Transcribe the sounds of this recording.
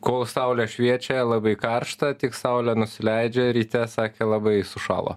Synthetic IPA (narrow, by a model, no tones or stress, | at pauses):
koːlˠsɐʊlʲɛʃʲʋʲiɛt͡ʃʲɛlˠɑbɐɪkɐɾʃt̪ɐt̪ʲɪksɐʊlʲɛnʊsʲɪlʲɛɪd͡ʒʲɛɾʲiːt̪ʲɛsɑːkʲeːlˠɑbɐɪsʊʃɑ̰ːlˠo̰ː